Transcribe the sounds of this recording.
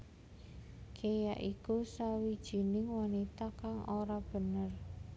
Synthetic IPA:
kʰejaʔikusawid̥ʒ̥i̤nɪŋwanit̪akaŋʔoɾab̥ə̤nər

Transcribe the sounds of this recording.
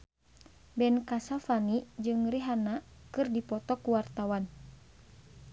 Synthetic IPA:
bɛnkasafanid͡ʒɨŋriɦanakɨrdipɔt̪ɔkuwart̪awan

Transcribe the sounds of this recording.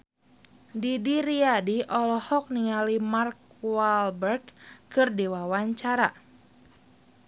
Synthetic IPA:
didiɾiadiʔɔlɔhɔk̚niŋalimark̚walbɛrkkɨrdiwawaɲt͡ʃaɾa̰

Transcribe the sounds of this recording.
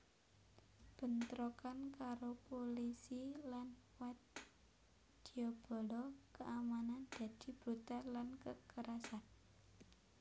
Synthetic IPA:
b̥ə̤nt̪ɾokankaɾopolisilanwat̪ | d̪̥iɔb̥ɔ̤lɔkəʔamanand̪̥ä̤d̪̥i̤b̥ɾut̪alankəkəɾasan

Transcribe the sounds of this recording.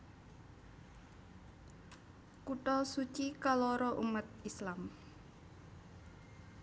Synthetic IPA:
kuʈɔsut͡ʃikalɔɾɔʔṵmat̪̚islam

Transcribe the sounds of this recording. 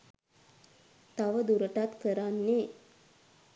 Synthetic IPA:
t̪aʋəd̪uɾəʈat̪kəɾanːe

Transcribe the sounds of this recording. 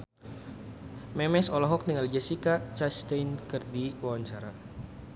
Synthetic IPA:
mɛmɛsɔlɔɦɔk̚niŋald͡ʒasikat͡ʃast̪ejnkɨrdiwawaɲt͡ʃaɾa

